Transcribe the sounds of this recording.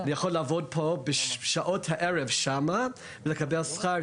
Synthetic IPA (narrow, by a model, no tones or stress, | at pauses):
anijaχolːaavod̚pʰobeʃaʔothaʔeɹevʃama | velekabelsχa